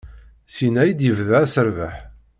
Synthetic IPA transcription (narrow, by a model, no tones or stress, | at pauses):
sinæjid̪jəvðææsəɾvæħ